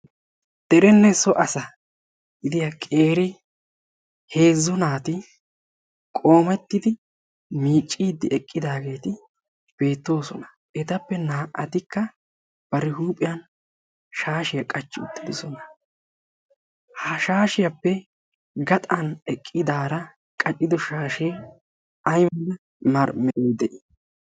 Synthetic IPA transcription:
d̪̥ɛɾɛnːɛsɔʔɐsɐ | ɪd̪ɪjɐkʼe̞ːɾɪ | he̞ːzːɔnaːt̪ɪ | kʼo̞ːmɛt̪ːɪd̪ɪ | miːt͡ʃʼːiːd̪ːɪʔɛkʼːɪd̪aːɡe̞ːt̪ɪ | b̥e̞ːt̪ːo̞ːsɔnɐ | ʔɛt̪ɐpːɛnaːʔɐt̪ɪkːɐ | b̥ɐɾɪɦuːpʼːɪjɐn | ʃaːʃɪjɐkʼɐt͡ʃːɪʊt̪ːɪd̪sɔnɐ | hɐʃaːʃɪjɐpːɛ | ɡɐt̪ʼɐnɛkʼːɪd̪aːɾɐ | kʼɐt͡ʃʼːɪd̪ɔʃaːʃej | ɐjmɐnɐ | mɐɾmɛɛd̪ɛʔɪ

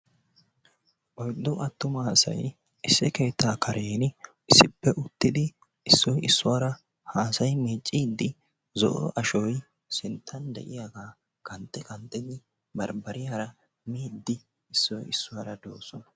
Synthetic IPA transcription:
ʔɔjd̪ːʊʔɐt̪ːʊmɐhɐsɐ̰j | ɪsːɪke̞ːt̪ʰːaːkʰɐɾeːn | ɪsːɪpːɛʔʊt̪ːɪd̪ɪ | ɪsːɔjɪsːʊwaːɾɐ | haːsɐjmeːt͡ʃʼːiːd̪ːɪ | zɔ̰ʔʔɐʃɔj | sɪnt̪ʰːɐnd̪ɛ̰ʔɪjaːɡaː | kʰɐnt̪ʼːɛkɐnt̪ʼːɛd̪ɪ | bɐɾbɐɾɪjaɾɐ | miːd̪ːɪ | ɪsːɔjɪsːʊwaːɾɐd̪oːsɔnɐ̥

